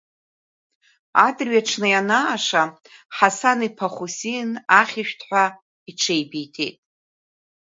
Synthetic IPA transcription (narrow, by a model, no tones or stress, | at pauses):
adrɥjaʈ͡ʂʰnɨjanaːʂa | ħasanipʰaχʷusinaχʲiʃᶣtʰħʷa | iʈ͡ʂʰejbijtʰḛjtʼ